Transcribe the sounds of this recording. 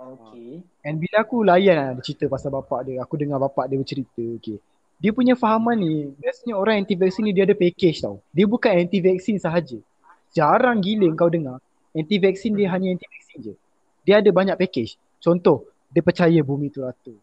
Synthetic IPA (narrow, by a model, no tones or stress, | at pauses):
oke | ɛnbilaakulajanaadət͡ʃit̪əpasabapaʔdiəakudəŋabapaʔdiəbət͡ʃəɾit̪əoke | diəpuɲãfaɦamãnːibiasəɲaoɾaŋɛnt̪ivɛk̚sinːidiəadəpɛkɛt͡ʃt̪a̰wdiəbukanɛnt̪ivɛk̚sinsaɦad͡ʒə | d͡ʒaɾaŋɡiləəŋkawdəŋa | ɛnt̪ivɛk̚sindiəɦaɲəɛnt̪ivɛk̚sind͡ʒə | diəadəbaɲaʔ̚pekɛt͡ʃ | t͡ʃɔnt̪ɔh | diəpərt͡ʃajabumĩt̪uɾat̪u